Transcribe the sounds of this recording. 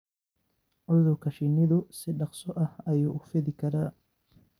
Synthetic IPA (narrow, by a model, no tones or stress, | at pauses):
ʔʊðʊkʰɐʃɪnɪðʊsɪɖɑqsɔʔɐhɐjuːʊfɪðɪkʰɐɾaː